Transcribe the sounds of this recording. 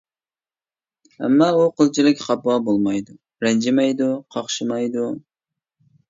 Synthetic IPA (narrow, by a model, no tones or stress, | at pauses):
ɛ̰mːɑuqʰəlˠt͡ʃʰilɪkʲqʰɑpwɑbolˠmɑjd̪u | ɾɛnd͡ʒɪmɑjd̪uqʰɑχʃɨmɑjd̪u